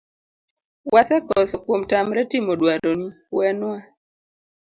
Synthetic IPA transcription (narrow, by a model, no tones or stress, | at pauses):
wasɛkɔsɔkwomtamɾɛtimodwaɾoni | wɛnwa